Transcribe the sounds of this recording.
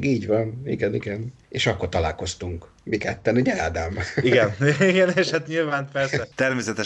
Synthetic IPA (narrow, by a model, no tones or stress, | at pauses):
ɡiːɟvɒnḭɡɛniɡɛn | eːʃɒkːo̞rt̪ɒlaːlko̞st̪uŋk | mikɛt̪ːɛnuɟɛaːd̪amiɡɛniɡɛneːʃhat̪ɲilvaːnpɛrsɛt̪ɛrmeːsɛt̪ɛ